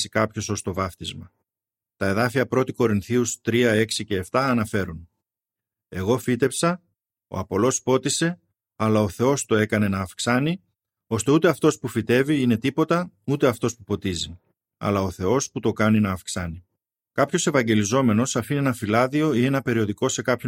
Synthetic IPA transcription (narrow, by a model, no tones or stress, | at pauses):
si̥kɐpço̞so̞st̪o̞vɐft̪izmɐ | t̪ɐe̞ðɐfiɐpɾo̞t̪iko̞ɾinθiust̪ɾiɐe̞ksice̞ːft̪ɐːnɐfe̞ɾun | e̞ɣo̞fit̪e̞psɐ | o̞̰ɐpo̞lo̞spo̞t̪ise̞ | ɐlɐo̞θe̞o̞st̪o̞e̞kɐne̞nɐːfksɐni | o̞st̪e̞ut̪e̞ɐft̪o̞spufit̪e̞viine̞t̪ipo̞t̪ɐut̪e̞ɐft̪o̞spupo̞t̪izi | ɐ̰lɐo̞θe̞o̞sput̪o̞kɐninɐːfksɐni | kɐpço̞se̞vɐɲɟe̞lizo̞me̞no̞sɐfinienɐfilɐðio̞ienɐpe̞ɾio̞ðiko̞se̞kɐpço